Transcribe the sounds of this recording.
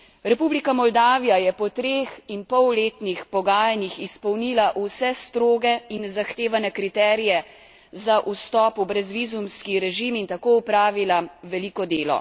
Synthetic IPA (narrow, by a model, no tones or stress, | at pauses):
ɾɛpublikamɔld̪aːʋijajɛpɔt̪ɾeːxinpɔwleːt̪nixpɔɡaːjanixispɔwnilaʔusɛst̪ɾoːɡɛinzaxt̪eːʋanɛkɾit̪ɛːɾijɛ | zaʔust̪ɔːpubɾɛzʋizumskiɾɛʒimint̪akoːupɾaːʋilaʋɛlikɔd̪eːlɔ̰